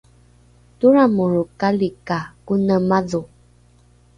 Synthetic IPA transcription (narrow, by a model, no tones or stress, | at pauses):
tuɾamuɾukalikakunəmaðu